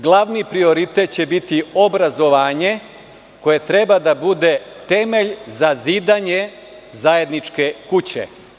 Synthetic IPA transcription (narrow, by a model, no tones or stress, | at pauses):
ɡlˠaʋnipɾio̞ɾit̪et̪̚t͡ɕe̞bit̪io̞bɾazo̞ʋaːɲe̞ | ko̞je̞t̪ɾe̞bad̪abud̪e̞t̪e̞me̞ʎzaziːd̪aɲe̞ | zaje̞d̪nit͡ʃke̞kut͡ɕḛ